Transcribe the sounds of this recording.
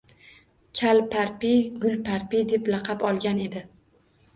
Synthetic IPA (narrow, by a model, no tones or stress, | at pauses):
kʲʰalpʰaɾpiɡʊlpʰaɾpid̪e̞plɑqʰɑpɒlˠɡʲane̞d̪ɪ